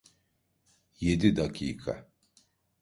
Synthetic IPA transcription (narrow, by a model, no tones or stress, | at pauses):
jed̪id̪akʰʲḭːkʰa̰